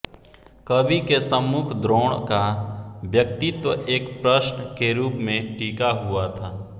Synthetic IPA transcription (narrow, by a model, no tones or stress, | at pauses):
kəbʱikesəmːʊkʰd̪ɾoːɽkabjəkt̪it̪wəeːkpɾəʃɳkeɾuːpmẽʈiːkaɦʊat̪ʰaː